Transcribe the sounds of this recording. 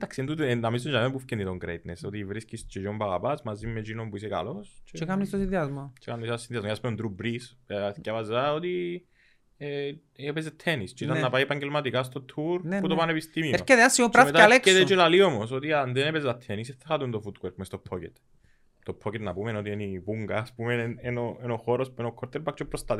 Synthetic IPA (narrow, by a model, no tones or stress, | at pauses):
nd̪aɐksient̪ut̪enɐmist̪oɲd͡ʒamempufcenit̪oŋɡɾejt̪nesot̪ivɾiscist͡ʃed͡ʒombɐɣɐpɐsmɐzimːet͡ʃinompuiseka̰lost͡ʃʰet͡ʃekamnist̪osinðiɐzmot͡ʃʰekamnisɐsːinðiɐzmojɐspeond̪ɾubɾisscɐvɐzaot̪i | e | epezet̪ʰːenist͡ʃeit̪ɐnːɐpajepɐɲɟelmɐt̪ikast̪o̞t̪ʰːuɾnput̪opanepist̪imieɾokeðeasːiopɾamet̪alekeðet͡ʃelaliomosot̪ianðenepezɐt̪ʰːeniseθːɐxat̪unt̪ofut̪weɾkmest̪opʰːocḛt̪ | t̪opʰːocet̪nɐpumenot̪ienipuŋɡaːspumenenoenoxoɾospuenokʰːoɾt̪eɾbak̚t͡ʃepːɾost̪ɐt̪